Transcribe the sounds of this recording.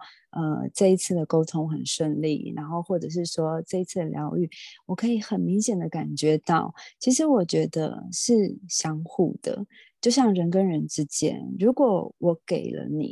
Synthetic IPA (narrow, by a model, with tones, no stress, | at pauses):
ə̰˧ʈ͡ʂɤ˥˩i˧˥t͡sʰɹ̩˥˩d̪ə˩ko˥ʊt̪ʰʊ˥ŋxə˨˩nʂə˥˧ŋlḭ˥˩ɻa̰˧˥nxo˥˧ʊxwɔ˥˩ʈ͡ʂɤ˨˩ʂ̬ɻ̩˥˩ʂwɔ˥ʈ͡ʂə˥˩i˧˥t͡sʰɹ̩˥˩ə˩ljɑ˧˥ʊy˨˩wɔ˨˩kʰɤ˧˥i˧˥xə˨˩nmi˧˥ŋɕjɛ˨˩nd̪ə˦ka˨˩nt͡ɕɥɛ˧˥t̪ɑ˥˩ʊt͡ɕʰi˧˥ʂɻ̩˧˥wɔ˨˩t͡ɕɥɛ˧˥d̪ə̰˧ʂɻ̩˥˩ɕjɑ˥ŋxṵ˥˩d̪̥ə̰˩ | t͡ɕjo˥˧ʊɕjɑ˥˩ŋɻə˧˥nkə˥nɻə˧˥nʈ͡ʂɻ̩˥t͡ɕjɛ̰˥nɻu˧˥kwɔ˨˩˦wɔ˧˩˦ke˨˩ɪlə̰˦nḭ˨˩˦